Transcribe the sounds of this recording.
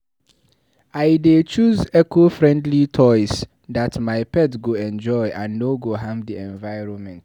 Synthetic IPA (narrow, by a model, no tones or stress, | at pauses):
aɪdet͡ʃuzɛkʰofɹɛ̃ndlitʰɔɪs | datmaɪpʰɛtɡoɛ̃nd͡ʒɔɪʔãnːoɡoɦãmdiɛ̃ɱvaɪɹɔ̃nmɛ̃nt